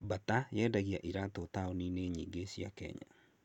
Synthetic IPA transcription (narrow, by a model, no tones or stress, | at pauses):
batajɛːdaɣiaʔiɾatotaonineɲiːɡesiakɛ̰ɲa̰